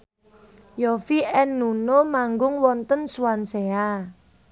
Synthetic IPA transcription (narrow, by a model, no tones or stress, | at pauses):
jofiɛnːunomaŋɡʊŋwɔnt̪ənsuwansea